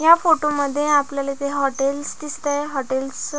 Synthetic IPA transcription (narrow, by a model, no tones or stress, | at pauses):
jafoʈoməd̪ʱːjeapljalet̪eɦɔʈelsd̪ist̪aɦɔʈels